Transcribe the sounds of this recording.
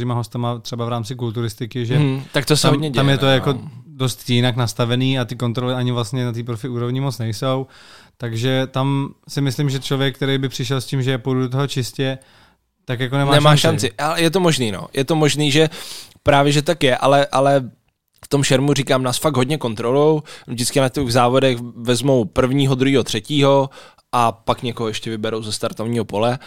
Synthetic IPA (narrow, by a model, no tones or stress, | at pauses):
imaɦo̞st̪amat̪r̥ɛbavɾaːmt͡sɪkult̪uɾɪst̪ɪkɪʒɛt̪ak̚t̪osɦod̪ɲɛɟɛamjɛt̪ojako̞dost̪jɪnaknast̪avɛniːat̪ɪko̞nt̪ɾolɪaɲɪvlast̪ɲɛnat̪iːpɾofɪʔuːɾo̞vɲɪmot͡snɛjso̞wt̪aɡʒɛt̪amsɪmɪslɪmʒɛt͡ʃlo̞vjɛk̚ːt̪ɛɾejbɪpr̝̥ɪʃ̬ɛlscɪmʒɛpojdudot̪oɦot͡ʃɪscɛ | t̪akjakonɛmmanɛmmaːʃant͡sɪʔalɛjɛt̪̬o̞mo̞ʒniːno̰jʔɛt̪o̞mo̞ʒniːʒɛpɾaːvjɛʒɛt̪t̪akjɛʔalɛʔalɛ | ft̪o̞mʃɛɾmuriːkaːmnaːsfaɡ̚ɦo̞dɲɛko̞nt̪ɾolujowvdɪt͡skɪnacɛɣzaːvo̞dɛxvɛzmo̞wpr̩vɲiːɦod̪ɾuɦiːɦo̞t̪r̥ɛciːɦo̞ | ʔapakɲɛkoɦoɛʃcɛvɪbɛɾowzɛst̪aɾt̪ovɲiːɦo̞po̞lɛ